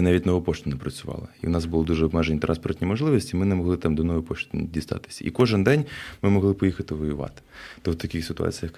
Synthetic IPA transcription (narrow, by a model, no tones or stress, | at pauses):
nɑʋʲitʲnɔʋɔpɔt͡ʃt̪ʊnɛpɾɐt͡sʲʊʋɑ̰lˠɪiunɑsbʊlˠɔd̪uʐɛɔbmɛʒenʲit̪ɾʔɑnspɔrt̪ʲnʲijmɔʒlˠɪʋisʲtʲimɪnɛmɔɦlˠɪt̪ɑmd̪ɔnɔʋɔpɔt͡ʃt̪ɪndʲist̪ɑ̰t̪ɪ̥sʲɐ̥ḭkɔʒɪnd̪ɛnʲmɪmɔɦlˠɪpɔjixɐt̪ɪʋɔjʊʋɑ̰t̪ɪ̥t̪ɔwt̪ɐkʲixsɪt̪ʊɑ̰t͡sʲijɐx